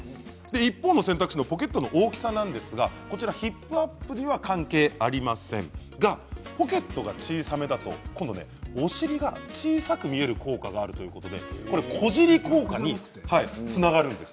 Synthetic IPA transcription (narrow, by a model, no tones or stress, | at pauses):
d̪e̞ipːo̞ːno̞sẽ̞nt̪akɯ̟̥ɕino̞po̞k̬e̞t̪ːo̞no̞ʔoːkʲi̥sanãnd̪e̞sɨɡako̞t͡ɕiɾaçipːɯ̟apːɯ̟ɲ̟iβakãŋke̞ːaɾʲimasẽ̞̰ŋ | ɡapo̞ke̞t̪ːo̞ɡat͡ɕiːsame̞d̪at̪o̞̰kõnd̪o̞ne̞̰o̞ɕiɾʲiɡat͡ɕiːsakɯ̟mʲie̞ɾɯ̟ko̞ːkaɡaːɾɯ̟t̪o̞jɯ̟ko̞t̪o̞d̪e̞̰ko̞ɾekʰo̞ʑiɾʲiko̞ːkaɲ̟i | hait͡sɨnaɡaɾɯ̟̃nd̪e̞s